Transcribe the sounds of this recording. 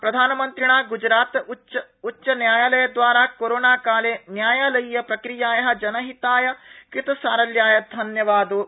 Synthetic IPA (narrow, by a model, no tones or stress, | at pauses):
pɾɐd̪ʱaːnɐmɐnt̪ɾiɳaːɡud͡ʒɾaːt̪ut͡ʃɐ | utːʃɐnjaːjaːlɐjɐd̪ʋaːɾaːkoɾoːnaːkaːleːnjaːjaːlɐjjɐpɾɐkɾijaːjɐɦɐ̆d͡ʒɐnɐɦit̪aːjɐkit̪ɐsaːɾɐljaːjɐd̪ʱɐnjɐʋaːd̪u